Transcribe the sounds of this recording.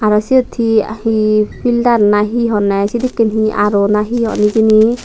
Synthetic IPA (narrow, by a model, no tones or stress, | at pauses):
aɾɔsiɔt̪ʰia̰hipʰildaɾnaɦiɦɔnɛsid̪ikːinɦiʔa̰ɾɔnaɦiɦɔ̰nikini